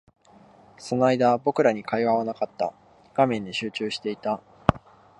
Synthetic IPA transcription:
so̞noaid̪abo̞kɯ̟ɾaɲ̟ikaiβaβanakat̪ːa̰ | ɡ̥amẽ̞ɲd̪iɕɨːt͡ɕɨːɕi̥t̪e̞it̪a

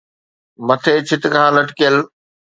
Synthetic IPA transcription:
mɐt̪ʰeːt͡ɕʰɪt̪ɪ̆kãːlɐʈkijəl

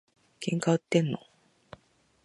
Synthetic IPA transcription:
kẽ̞ŋkaɯ̟t̪ːẽ̞nːo̰

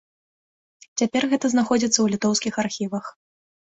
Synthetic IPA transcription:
t͡sʲapʲɛrɣɛt̪ɐznaxɔd͡zʲit̪sːɐwlʲit̪ɔwskʲixarxʲivɐx

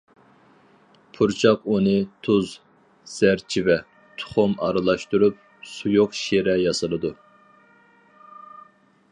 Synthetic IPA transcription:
pʰuɾt͡ʃʰɑqunɨt̪ʰuz | z̥æɾt͡ʃʰivɛ | t̪ʰʊ̥χʊmɑɾɨlˠɑʃt̪uɾup̚ | sujʊqʃeɾɛjɑsɨlˠɨd̪u

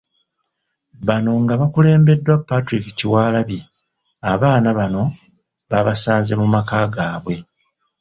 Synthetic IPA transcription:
βano̞ŋɡaβakule̞ːmbe̞dːwapːatɾiki̥ciwaːlaβji | aβaːnaβano̞ | βaβasaːnze̞mumakaːɡaːβwe̞

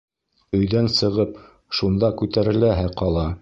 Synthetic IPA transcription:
ɵ̆jðænsɤ̆ʁɤp | ʃund̪ɑkʉt̪æɾɘ̆læɦæqɑlˠɑ

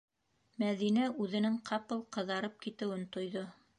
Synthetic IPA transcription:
mæðinæʉðɘ̆nɘŋqʰɑpɤlˠqɤ̆ðɑɾɤp̚kit̪ɘ̆wɘnt̪ŏjðo

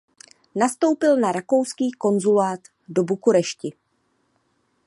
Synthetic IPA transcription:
nast̪o̞wpɪlnaɾako̞wskiːko̞nzulaːt̪ | do̞bukuɾɛʃcɪ

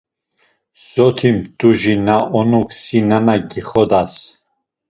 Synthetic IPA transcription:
sɔt̪ʰimd̪uʒinaʔɔnuksinanaɡiχɔd̪as

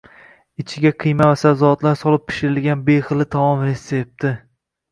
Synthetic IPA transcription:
ɪt͡ʃʰɪɡʲaqʰɨjmavasawzɒɒt̪laɾsɒlˠɪp̚ʰːɪ̥ʃɪɾɪlɡʲanbejχɨlˠɪt̪ʰamɒmɾe̞sep̚t̪ɪ

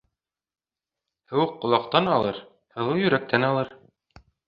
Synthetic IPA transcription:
hɘ̆wɘqːŏlˠɑqt̪ɑnɑlˠɤɾ | hɤ̆lˠɤjɵ̆ɾæk̚t̪ænɑlˠɤɾ

